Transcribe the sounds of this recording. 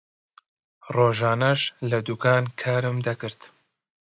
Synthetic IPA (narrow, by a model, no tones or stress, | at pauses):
roːʒaːnɐʃlɐd̪ukaːnkʰaːɾɨmd̪ɐkɨɾt̪